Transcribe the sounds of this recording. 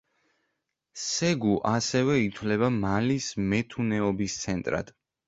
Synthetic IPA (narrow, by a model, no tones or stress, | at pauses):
sɛɡuʔasɛvɛit̪ʰwlɛβamalismɛt̪ʰunɛɔbist̪sʰɛnt̪ʼɾa̰d̪̥